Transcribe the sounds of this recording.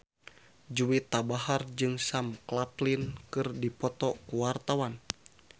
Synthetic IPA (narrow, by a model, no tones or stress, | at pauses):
d͡ʒuwit̪abaɦard͡ʒɨŋsamklaplinkɨrdipɔt̪ɔkuwart̪awan